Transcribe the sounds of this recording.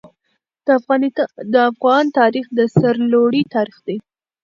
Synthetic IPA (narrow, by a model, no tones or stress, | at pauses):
fɣɑnd̪əafɣɑnt̪ɑɾixd̪əsaɾloɽit̪ɑɾixd̪ej